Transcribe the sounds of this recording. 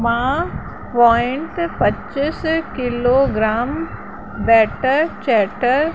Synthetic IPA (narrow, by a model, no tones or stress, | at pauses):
mã | pɔːɪɳʈpɐtːt͡ʃiskɪloːɡɾaːm | bɛːʈəɾt͡ʃɛːʈəɾ